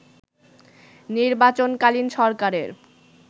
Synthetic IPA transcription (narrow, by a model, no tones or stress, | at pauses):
niɾbat͡ɕonkalinʃɔɾkaɾeɾ